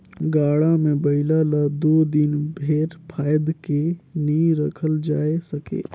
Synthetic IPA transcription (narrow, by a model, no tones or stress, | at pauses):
ɡaːɽamẽbəɪlalad̪oːd̪ɪnbʱeːɾpʰaːjəd̪kenĩɾəkʰəld͡ʒaːesəkḛː